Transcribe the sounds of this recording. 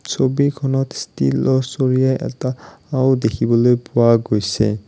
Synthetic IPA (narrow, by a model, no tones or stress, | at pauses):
sobikʰɔnɔtstḭlɔsoɹijaʔɛ̰taː | wdekʰibɔlojpʊwaɡojsɛ̰